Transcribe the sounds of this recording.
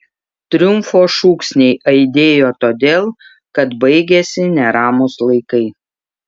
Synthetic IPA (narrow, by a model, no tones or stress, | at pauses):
t̪ʲɾʲʊmfoːʃuːksʲnʲɛɪʔɐɪd̪ʲeːjoːt̪oːd̪ʲeːlˠ | kɐt̪bɐɪɡʲesʲɪnʲɛɾɑːmʊslˠɐɪkɐɪ